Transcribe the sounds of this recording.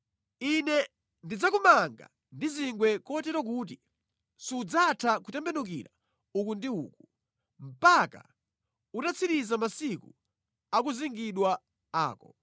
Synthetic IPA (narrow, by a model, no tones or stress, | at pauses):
inɛ | ndid͡zakumaŋɡa̰ | ndiziŋɡwɛkɔtɛɾɔk̬ut̬i | siud͡zatʰakutɛmbɛnuk̬ḭɾa | ukundiṵːku | m̩paka̰ | utat͡sʰiɾizamasiku | ak̬uziŋɡiɗwa | a̰ːkɔ̰